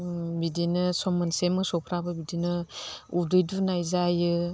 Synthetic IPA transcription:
bidinɯsɔmansemɯsɔpʰɾabɯbidinɯudɯjdunajzajɯ

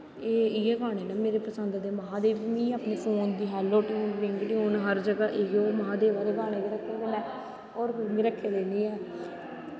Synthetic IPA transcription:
eːiɛːɡaːɽeːnɛːmeːɾeːpəsənd̪d̪eːməɦãːd̪eːʋiːmĩːaːpneːfʰoːnd̪iːɦɛːlːoːʈĩːnɾɪŋɡʈiːɦoːnɦəɾd͡ʒəɡaːʔeːɡoːməɦãːd̪eːʋaːd̪eːɡaːneːkiɾəkʰːẽːleːnɛː | ɔːɾmĩːɾəkʰːeːleːniːɛː

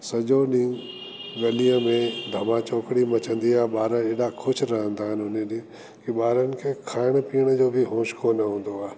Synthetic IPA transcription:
sɐʄoɗĩː | ɡɐlijə̃mẽd̪ʱɐmãt͡ɕoːkɽimɐt͡ɕə̃nd̪iaːɦɓaːɾə̃eːɗakʰʊʃʰɾɐɦə̃nd̪aːɦɪnɦʊneɗi | kiɓaːɾənɪ̆kʰeːkʰaːɪɽ̃piːɽ̃əd͡ʑoːbʱɪɦõːʃkonəɦũːn̆d̪oaːe

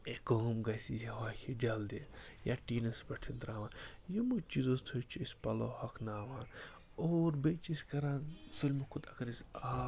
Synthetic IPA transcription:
ekomɡɐsizaɦaːkʲed͡ʒɐld̪ejaːʈiːnɐsbɐʈt͡ʃʰind̪ɾaːʋaːnjumut͡ʃizost̪ʰot͡ʃʰispɐlo̰ːhɐkʰnaːʋaːn | oːɾbet͡ʃiskɐɾãːnsulʲmɐkʰʊd̪ɐkɐɾisaː

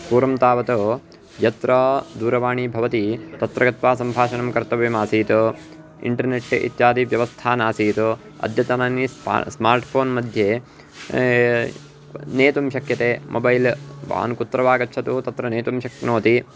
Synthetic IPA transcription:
puːɾɐmt̪aːʋɐt̪o | jɐt̪ɾɐd̪uːɾɐʋaːɳibʱɐʋɐt̪it̪ɐt̪ɾɐɡɐt̪ʋaːsɐmbʱaːʃɐnɐmkɐɾt̪ɐʋimaːsiːt̪o | ḭɳʈɐɾneʈːʔḭt̪jaːd̪iʋjɐʋɐst̪ʰaːnaːsiːt̪o | ɐ̰d̪jɐt̪ɐnaːnissmaːɾʈpʰoːnmɐd̪ʱje | neːt̪umʃɐkjɐt̪eːmʔobɐjlʋa̰ːnkut̪ːɾɐʋaːɡɐtːt͡ʃʰɐt̪ut̪ɐt̪ɾɐneːt̪umʃɐknoːt̪i

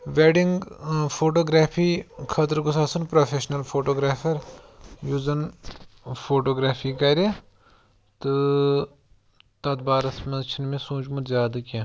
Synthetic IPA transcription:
ʋeːɖiŋɡfʰoːʈoːɡɾaːfʰiːkʰɐt̪ɾɡusaːsɐnpɾoːfʰeːʃnɐlfʰoːʈoːɡɾaːfʰɐɾjuːzɐn | foːʈoːɡɾaːfʰiːkɐɾʲi | t̪ɨ | t̪ɐt̪̚baːɾɐsmɐt͡ʃʰinmẽsũːd͡ʒmut̪zjaːd̪ɐkẽ

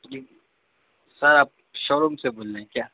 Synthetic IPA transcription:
d͡ʒi | sɐɾaːp̚ʃɔːɾomseboːlẽẽkjaː

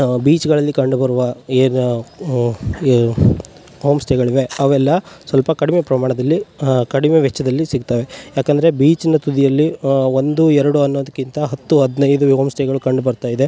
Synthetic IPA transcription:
biːt͡ʃɡɐɭɐlːikɐɳɖubɐɾuʋɐeːn | ɦoːmsʈʰeɡɐɭiʋe̞ɐʋɛlːɐsʋɐlpɐkɐɽimepɾɐmaːɳɐd̪ɐlːikɐɽimeʋɛt͡ʃːɐd̪ɐlːisiɡ̚t̪aʋe̞jaːkɐnd̪ɐɾebiːt͡ʃinɐt̪ud̪ijɐlːio̞nd̪uɛɾɐɽuɐnːoʋɐd̪ɐkːint̪ɐɦɐt̪ːuɦɐd̪nɐjd̪uɦoːmsʈʰeɡɐɭukɐɳɖubɐɾt̪aːjid̪e̞

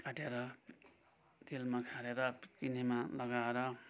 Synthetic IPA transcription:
kaʈeɾʌ | t̪ʰilmakʰaɾeɾʌkinimalʌɡaeɾʌ

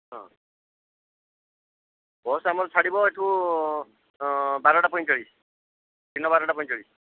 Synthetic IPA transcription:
ɦɔ̃ | bɔsamɔɾt͡sʰaɽibɔeʈʰu | baɾɔʈapɔj̃t͡ʃɔɽis | t̪inːɔbaɾɔʈapɔj̃t͡ʃɔɽis

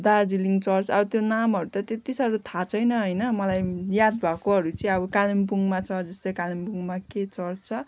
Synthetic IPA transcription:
d̪ad͡ziliŋt͡sʌrt͡sʌ̰bʌt̪jonamɦʌɾut̪ʌt̪et̪isʌɾut̪ʰat͡sʰʌjnʌɦʌjnʌmʌlajjad̪̚bʱʌkoɦʌɾut͡sʌĩʌbʌkalimpuŋmat͡sʰʌd͡zʌst̪ojkalimpuŋmaket͡sʌrt͡st͡sʰʌ

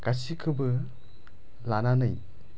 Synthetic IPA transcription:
kasikʰɯbɯ | lananɯj

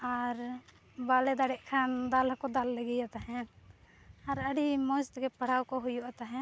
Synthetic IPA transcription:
ɔːɾ | baːled̪aːɽeʔkʰaːnd̪aːlkod̪aːlːəɡijat̪ɦɛ̃ | ɐɾəɽimoːst̪kepəɽ̤aːwkoɦʊjuət̪ɦɛ̃ː

